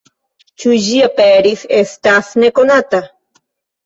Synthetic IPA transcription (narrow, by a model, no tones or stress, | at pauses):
t͡ʃuʒiapeɾisest̪aθnekonat̪a